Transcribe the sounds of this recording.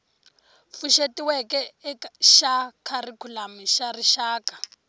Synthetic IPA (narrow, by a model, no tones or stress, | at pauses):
fuʃetiwɛkɛʃakʰarikʰulamiʃariʃaːkḁ